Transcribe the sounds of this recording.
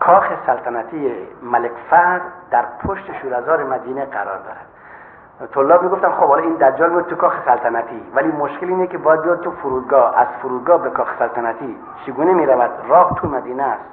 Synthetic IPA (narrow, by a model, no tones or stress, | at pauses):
kʰɔxesalt̪ʰanat̪ʰiemalekfad̪d̪aɾpʰoʃt̪eʃuɾazɔːɾemad̪iːneqaɾɔ̰ɾd̪ɔ̰ːɾad̪̥ | t̪ʰolːɔːbmiɡuft̪anxobɔlɛind̪aɾd͡ʒɔlmiud̪t̪ːukɔxe̥salt̪ʰanat̪ʰivælimoʃkilinekibɔjad̪̚bijɔd̪̚t̪ufuɾud̪̚ɡɔa̰zfuɾuːd̪̚ɡɔbekʰɒχe̥salt̪ʰanat̪ʰi | t͡ʃʰiɡunemeɾavad̪ɾɔht̪ʰumad̪iːnæst̪